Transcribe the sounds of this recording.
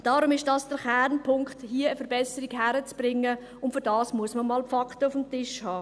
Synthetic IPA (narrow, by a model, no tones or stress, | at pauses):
d̥ɑːɾʊmɪʃd̥ɑsd̥əɾχæɾnpʰʊŋkχthiəəfəɾbɛsəɾiɡɦæɾət͡sb̥ɾɪŋːə | ʊntfʏɾdɑːsmuəsməmɑːlpfɑkχtəʊfəmtɪʃhɑː